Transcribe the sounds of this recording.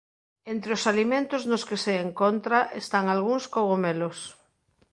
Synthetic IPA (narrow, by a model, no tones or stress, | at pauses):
ent̪ɾeosalimẽnt̪oznoskeseːŋkont̪ɾaʔest̪aŋalɣ̞uŋskoɣomelos